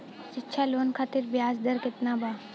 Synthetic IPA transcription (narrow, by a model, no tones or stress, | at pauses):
t͡ʃɪtːʃʰaloːnkʰaːt̪ɪɾbjaːsd̪əɾkɪt̪nabaː